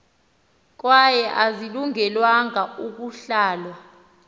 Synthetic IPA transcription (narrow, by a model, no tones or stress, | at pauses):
k̬wajɛʔaziluŋɛlwaŋauk̬uɬaːlwa